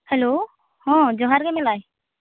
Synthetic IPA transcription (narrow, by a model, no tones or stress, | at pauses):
hɛlo | hɔ̃d͡ʒɔɦaɾkɛmɛlaj